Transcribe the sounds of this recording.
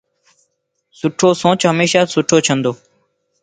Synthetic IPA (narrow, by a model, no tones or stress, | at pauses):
sʊʈʰoːsõːt͡ʃɦəmeːʃaːsʊʈʰoːt͡ʃʰənd̪oː